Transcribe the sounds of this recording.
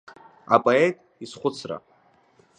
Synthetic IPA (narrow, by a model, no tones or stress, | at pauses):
apʼoetʼ | isχʷʊt͡sʰra̰